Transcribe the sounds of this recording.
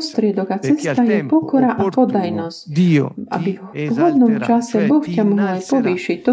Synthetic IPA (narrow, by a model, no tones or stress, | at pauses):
st̪ɾɪɛd̪ɔɡat͡sɛst̪ajɛpɔkɔɾaʔapɔd̪ajnɔscʔa̰biɦɔpɦɔd̪nɔmt͡ʃasɛbɔfcʲamuɦapɔʋiːʃic̚t̪ɔ